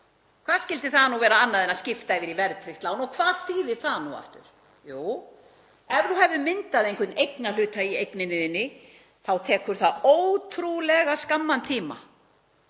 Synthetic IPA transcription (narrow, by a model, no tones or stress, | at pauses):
kʰv̥aːðscɪlt̪ɪθanuvɛːɾaanːaðɛnːascɪft̪aɛvɪɾivɛɾtt̪ʰɾɪft̪laːwnɔkʰvaːðθiːðɪθanua̰ft̪ʏ̰ɾ̥ | juːw | ɛɾθuhɛvðʏmɪnt̪aðejŋkʰʏt̪nejknal̥ʏːt̪aiejknɪnɪðɪnːɪ | θawt̪ʰɛːkʏɾ̥θaðoːwt̪ʰɾulɛɣaskamːant̪ʰiːma̰